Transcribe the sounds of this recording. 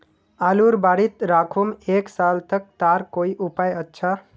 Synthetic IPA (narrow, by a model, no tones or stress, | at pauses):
aluɾbaɽit̪ɾakʰumeksalt̪ək̚t̪aɾkoiʔupajətːʃʰa